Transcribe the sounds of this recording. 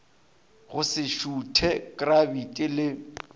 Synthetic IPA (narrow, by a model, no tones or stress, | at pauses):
ɣʊsɪʃutʰɛkʼrabitʼɪlɪ